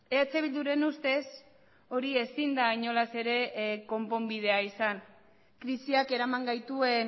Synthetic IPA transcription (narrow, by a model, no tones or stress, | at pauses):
eat͡seβild̪uɾe̞nust̪e̞s | o̞ɾie̞sind̪aiɲo̞lase̞ɾe̞ko̞mpo̞mbið̞e̞aisan | kɾisiake̞ɾamaŋɡajt̪ue̞n